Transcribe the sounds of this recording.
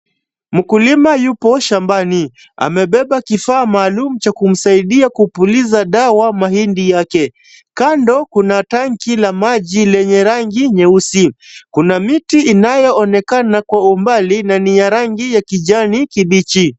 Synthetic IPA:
m̩kulimajupɔʃambani | a̰mɛɓɛɓakifaːmaːlumut͡ʃakum̩saiɗiakupulizaɗawamahindijakɛ | kandɔkunataŋkilamaʄilɛɲɛɾaŋɡiɲɛusikunamitiinajɔɔnɛkanakwaumbalinanijaɾaŋɡijakiʄanikiɓit͡ʃi

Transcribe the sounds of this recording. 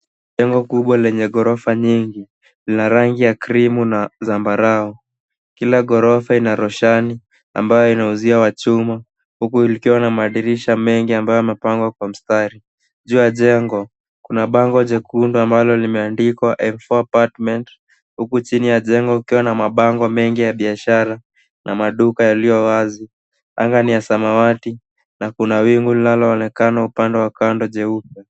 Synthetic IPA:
ʄɛŋɡɔkuɓwalɛɲɛɠɔɾɔfaɲiŋɡi | linaɾaŋɡijakɾimunazambaɾaɔ | kilaɠɔɾɔfainaɾɔʃani | a̰mbajɔinauziawat͡ʃuma | hukuilikiwanamaːɗiɾiʃamɛŋɡiambajɔamɛpaŋɡwakwam̩staɾi | ʄuːjaʄɛŋɡɔ | kunaɓaŋɡɔʄɛkunduambalɔlimɛandikwaʔɛɱfɔapatmɛnt | hukut͡ʃinijaʄɛŋɡɔukiwanamaɓaŋɡɔmɛŋɡijaɓiaʃaɾa | nʔamaɗukajalijɔwazi | a̰ŋɡanijasamawati | nakunawiŋɡulinalɔɔnɛkanaupandɛwakandɔʄɛupja

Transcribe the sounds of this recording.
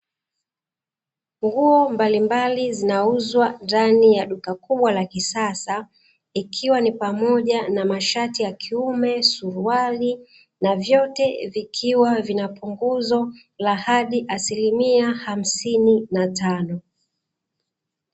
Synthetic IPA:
ŋɡuɔmbalimbalizinauzwandanijaɗukakuɓwalakisasa | ikʰiwanipamɔʄanamaʃatijakʰiumɛsuɾuali | navjɔtɛvikʰiwavinapʰuŋɡuzɔ | lahaɗiʔasilimiaham̩sininatanɔ

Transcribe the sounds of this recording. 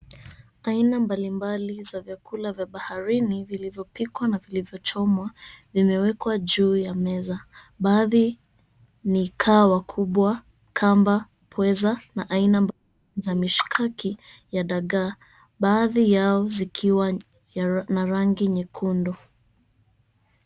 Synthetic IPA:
ainambalimbalizavjakulavjaɓahaɾinivilivjɔpikwanavilivjɔt͡ʃɔmwavimɛwɛkwaʄuːjamɛza | ɓaːði | nikʰaːwakʰuɓwa | kʰamba | pʰwɛzanaʔainamb | zamiʃkʰaki | jaɗaɠa | ɓaːðijaɔzikʰiwa | naɾaŋɡiɲikʰundɔ

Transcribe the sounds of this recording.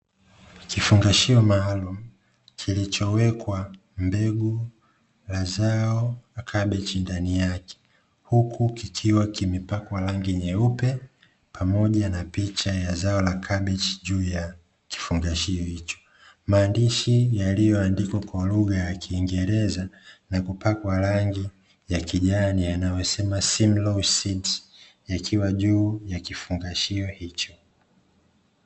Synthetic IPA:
kifuŋɡaʃiɔmaːlum̩ | kʰilit͡ʃɔwɛkwa | mbɛɡu | lazaɔlakʰaɓɛt͡ʃindanijakɛ̥ | hukʰukikʰiwakimipakwalaŋɡiɲɛupɛ | pʰamɔʄanapit͡ʃajazaɔlakʰaɓɛt͡ʃi̥ʄuːja | ki̥fuŋɡaʃiɔhit͡ʃɔ̥ | maːndiʃijalijɔandikwakwaluɣajakʰiːŋɡɛɾɛzanakupakwaɾaŋɡi | jakiʄanianajɔsɛmasimlɔsids | jakʰiwaʄuːjakifuŋɡaʃiɔhit͡ʃɔ̥

